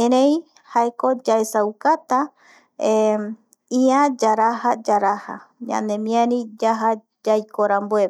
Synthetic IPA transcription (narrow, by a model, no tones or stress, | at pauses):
eɾẽj | haekod͡ʒaesaukat̪a | e | iãd͡ʒaɾahad͡ʒaɾaha̰ɲã̰nemĩaɾĩd͡ʒaɦa | d͡ʒajkoɾambue